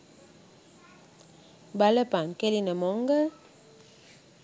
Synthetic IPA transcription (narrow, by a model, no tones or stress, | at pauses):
baləpaŋkɛlinəmɔŋɡə